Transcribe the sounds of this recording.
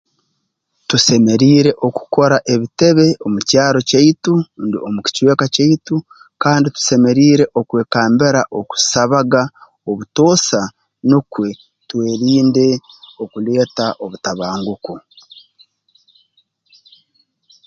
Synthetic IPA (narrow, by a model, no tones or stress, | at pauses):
tuse̞me̞ɾiːɾe̞ʔo̞ku̥ko̞ɾaʔe̞βite̞βe̞o̞mucaːɾo̞caitundio̞muki̥cwe̞ːkacaitu | kaːnditu̥se̞me̞ɾiːɾe̞ʔo̞kwe̞ːkaːmbeɾaʔo̞ku̥saβaɡa | oβuto̞ːsa | nukwe̞ | twe̞ːɾiːnde̞ | o̞kule̞ːtaʔo̞βutaβaːŋɡuku